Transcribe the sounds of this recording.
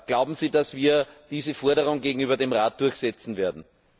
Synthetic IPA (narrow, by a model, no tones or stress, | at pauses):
ɡ̥laʊbm̩ziːdasv̥iːɐd̥iːzəfɔɐɾəʁʊŋɡeːɡŋ̩yːbɐdemʁaːt̚d̥ʊɐçsɛt͡sn̩veːɐdn̩